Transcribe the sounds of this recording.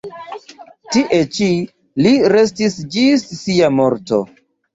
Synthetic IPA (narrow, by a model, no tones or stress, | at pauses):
tiʔe̞t͡ʃi | liɾe̞stisd͡ʒisːiamo̞ɾto̰